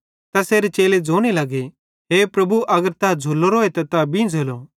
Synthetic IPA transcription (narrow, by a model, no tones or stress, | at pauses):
t̪ɐseːɾet͡ʃeːled͡zoːɽ̃elɐɡe | ɦeːpɾɐbuʔɐɡəɾt̪ɐd͡zʱulːoɾoːet̪ɐt̪abĩd͡zʱeːlo